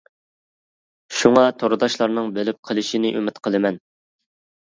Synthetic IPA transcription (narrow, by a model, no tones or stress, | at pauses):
ʃuŋɑt̪ʰoɾɨd̪ɑʃlˠɑɾnɨŋbølɪp̚qʰəlˠɪʃinɪʔymɪt̪qʰəlˠɨmɛn